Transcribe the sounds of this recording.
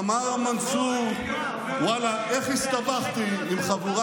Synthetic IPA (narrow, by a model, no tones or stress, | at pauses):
maʁamant͡su | walaʔeχist̪abaχt̪iimχavuʁa